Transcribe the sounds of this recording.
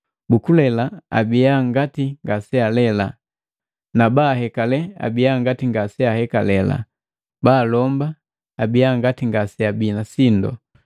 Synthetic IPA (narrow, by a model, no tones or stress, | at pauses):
bukulɛlaa̰bijaŋɡatiŋɡasɛalɛla | nabahɛkalɛa̰bijaŋɡatiŋɡasɛahɛkalɛla̰ | balɔmba | abijaŋɡatiŋɡasɛabiːnasindɔ̰